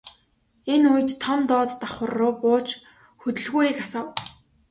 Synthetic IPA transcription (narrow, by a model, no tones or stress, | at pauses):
enujtt̪ʰːɔmt̪ɔːt̪ːaχʊ̆rːʊːpʊːt͡ɕ | xɵt̪ɵ̆ɮɣuːɾiːkasɔːw